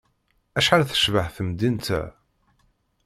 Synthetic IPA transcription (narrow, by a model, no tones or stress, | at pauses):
æʃħalθə̥ʃvəħθəmd̪int̪æ̰